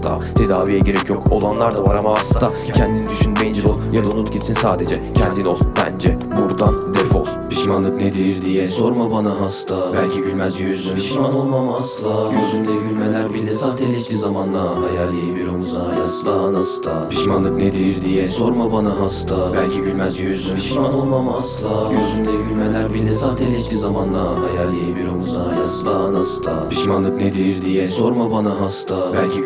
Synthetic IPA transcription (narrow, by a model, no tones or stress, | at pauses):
st̪ʰa̰t̪ʰe̞d̪aːvijɛɟeɾɛcjokʰolˠanlˠaɾd̪avaɾamaɦasɯa | cʰɛnd̪inid̪yʃynmejind͡ʒɛolˠjad̪aunut̪̚ɟisinsaːd̪ed͡ʒɛcʰɛnd̪ino̞lˠbæ̰nd͡ʒɛbuɾd̪and̪efo̰lˠpʰiʃmanlˠɯkned̪iɾd̪ijɛso̞ɾmabanaɦast̪ʰabælʲcʰiɟylʲmænɛyzyiʃmanolˠmamaast̪ˠajyzynlʲɛɟylʲmelʲæɾbilːʲɛsaːt̪ʰelʲiʃt̪iːzamanlˠaɦajalʲijibiɾonuzaɦajasɯd̪aɦanasɯd̪ʰapʰiʃmanˠɯkned̪iɾɾd̪ijɛsoɾmabanaɦast̪ʰabælʲcʰiɟylʲmæzøzypiʃmanolˠmamaslˠajøzynd̪ɛɟylʲmelʲæɾbilʲːɛsaft̪ʰelʲiʃt̪iːzamanlˠaɦajalʲijibiɾonuzaɦjasɯd̪anasɯd̪ʰapʰiʃmanlˠɯkned̪iɾiɾd̪ijɛsoɾmabanaɦast̪abælʲcʰi